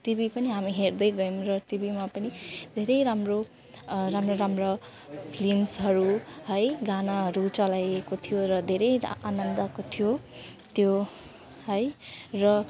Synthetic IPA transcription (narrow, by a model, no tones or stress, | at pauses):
ʈibipʌniɦamiɦerd̪ʌjɡʌjmrʌʈibimapʌnid̪ʱeɾʌjɾamro | ramroɾamrʌ | pʰlimsɦʌɾuɦʌjɡanaɦʌɾut͡sʌlajekot̪ʰijoɾʌd̪ʱeɾʌjanʌnd̪ʌkot̪ʰijo | t̪jo | hʌjrʌ